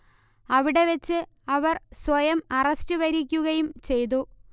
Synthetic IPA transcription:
ɐʋiɽe̞ʋɐt͡ɕːɨ | ɐʋɐrswɐjɐmɐrɐstɨʋɐɾikʲːuɣɐjumt͡ɕe̞jt̪̬u

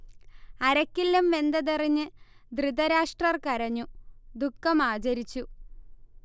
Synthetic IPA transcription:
ɐɾɐkːilːumʋe̞nd̪ɐðiriɲːɨ | d̪rid̪ɐɾaːʂʈrɐrkɐɾɐɲːud̪ukːɐmaːd͡ʑɐɾit͡ɕːu

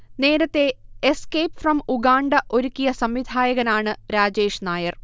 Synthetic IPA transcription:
ne̞ːɾɐt̪ːe̞ːskejpfrɐmuɡaːɳɖɐʔo̞ɾukʲːijɐsɐmʋid̪ʱaːjɐɣɐnaːɳɨɾaːd͡ʑe̞ːʂnaːjɐr

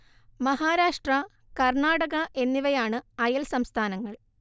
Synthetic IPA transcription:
mɐɦaːɾaːʂʈrɐ | kɐrɳaːɽɐɣɐʔe̞nːiʋɐjaːɳɨɐjɐlsɐmst̪ʰaːnɐŋːɐɭ

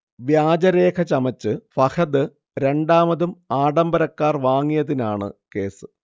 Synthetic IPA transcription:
ʋjaːd͡ʑɐɾe̞ːkʰɐt͡ɕɐmɐt͡ɕːɨfɐxʰɐðɨ | ɾe̞ɳɖaːmɐðumaːɖɐmbɐɾɐkːaːrʋaːŋːijɐðinaːɳɨ̰ke̞ːsɨ̥

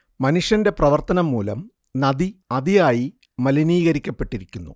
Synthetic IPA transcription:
mɐnuʂjɐnde̞prɐʋɐrt̪ɐnɐmːuːlɐm | nɐd̪iɐðijaːji | mɐliniːɣɐɾikʲːɐpːe̞ʈːiɾikʲːunːṵ

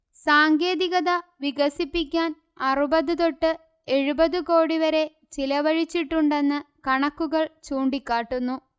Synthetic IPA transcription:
saːŋɡe̞ːðiɣɐðɐʋiɣɐsipːikʲːaːn | ɐrubɐðɨðo̞ʈːɨ | e̞ɻubɐðɨko̞ːɽiʋɐɾe̞ | t͡ɕilɐʋɐɻit͡ɕːiʈːuɳɖe̞nːɨkɐɳɐkːuɣɐɭt͡ɕuːɳɖikʲːaːʈːunːu

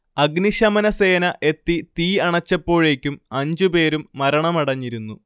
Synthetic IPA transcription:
ɐɡniʂɐmɐnɐse̞ːnɐʔe̞t̪ːit̪iːɐɳɐt͡ɕːɐpːo̞ːɻe̞ːkʲːumɐɲd͡ʑupe̞ːɾumːɐɾɐɳɐmɐɽɐɲːiɾunːu

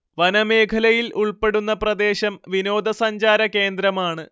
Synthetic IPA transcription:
ʋɐnɐme̞ːkʰɐlɐjilʔuɭpe̞ɽunːɐprɐd̪e̞ːɕɐmʋino̞ːd̪ɐsɐɲd͡ʑaːɾɐke̞ːnd̪ɾɐmaːɳɨ

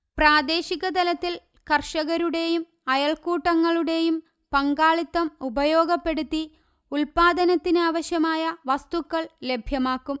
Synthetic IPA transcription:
praːd̪e̞ːɕiɣɐt̪ɐlɐt̪ːil | kɐrʂɐɣɐɾuɽe̞jum | ɐjɐɭkuːʈːɐŋːɐɭuɽe̞jum | pɐŋɡaːɭit̪ːɐmubɐjo̞ːɡɐpːe̞ɽut̪ːi | ulpaːd̪ɐnɐt̪ːinaːʋɐɕjɐmaːjɐʋɐst̪ukːɐɭle̞bʱjɐmaːkːum

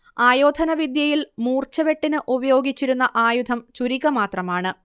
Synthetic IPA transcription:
aːjo̞ːd̪ʱɐnɐʋid̪jɐjilmuːrt͡ɕɐʋe̞ʈːinɨʔubɐjo̞ːɡit͡ɕːiɾunːɐʔaːjud̪ʰʱɐmt͡ɕuɾiɣɐmaːt̪rɐmaːɳɨ

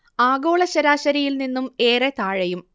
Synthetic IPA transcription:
aːɡo̞ːɭɐɕɐɾaːɕɐɾijilninːume̞ːret̪aːɻɐjum

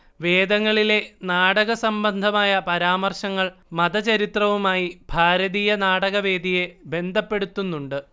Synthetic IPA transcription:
ʋe̞ːd̪ɐŋːɐɭile̞naːɽɐɣɐsɐmbɐnd̪ʱɐmaːjɐpɐɾaːmɐrʂɐŋːɐɭmɐðɐt͡ɕɐɾit̪rɐʋumaːjibʱaːɾɐðiːjɐnaːɽɐɣɐʋe̞ːd̪ʱije̞be̞nd̪ʱɐpːe̞ɽut̪ːunːuɳɖɨ

